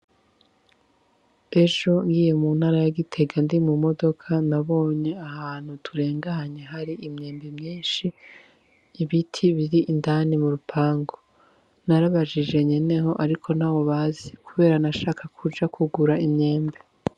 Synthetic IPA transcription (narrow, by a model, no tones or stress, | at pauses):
e̞ʒo̞ŋɡiːje̞muːn̥haɾajaɡitʰe̞ɡandimumo̞do̞kʰanaβo̞ːɲe̞ahaːn̥hutʰuɾe̞ːŋɡaɦaɲeɦaɾiʔimɲe̞ːmbemɲiːnʃiː | βitʰiβiɾiʔindaːnimuɾupʰaːŋɡo̞ | naɾaβaʒid͡ʒe̞ɲene̞ɦo̞ʔaɾikʰo̞n̥aːwo̞βaːzikuβe̞ːɾanaʃaːkʰakʰud͡ʒakuɡuɾaimɲe̞ːmbe